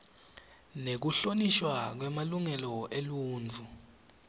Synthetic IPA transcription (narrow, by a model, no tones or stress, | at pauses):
nek̬uɬoniʃwak̬wɛmaluŋɛlɔʔeluːnt͡fu